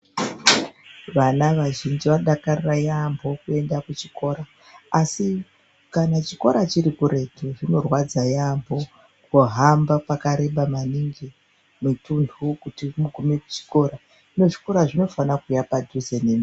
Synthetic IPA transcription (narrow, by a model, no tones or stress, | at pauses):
ʋanaʋaʒind͡ʒiʋaɗakarirajambʱo̞kue̞ndakut͡ʃiko̞ːɾaː | si | kanat͡ʃi̥ko̞ɾat͡ʃiɾikuɾe̞toʐino̞rwad͡zajambʱo̞ | kuɦambapakaɾe̞ɓamaniŋɡi | mitundʰʱukutimuɡʱumiku̥t͡ʃi̥ko̞ɾa | ʐino̞ʐi̥ko̞ɾaʐino̞fanakujapadʱuzenem